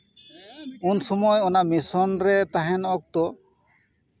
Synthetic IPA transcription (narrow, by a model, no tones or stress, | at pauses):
unsɔmɔjɔnamisɔnɾɛt̪aɦɛnɔk̚t̪ɔ